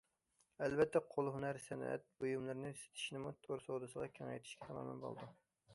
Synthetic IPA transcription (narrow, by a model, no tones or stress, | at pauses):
ɛlbɛt̪ʰːɛqʰolˠɦunæɾsɛnɛ̰t̪̚bojumlˠɨɾnɨse̥t̪ʰɪ̥ʃnɪmut̪ʰoɾsod̪ɨsəʁɑkʲʰɛŋɛ̰jt̪ʰɪ̥ʃkʲɛ̥t̪ʰɑmɑ̰nɨ̰nbo̰lˠd̪u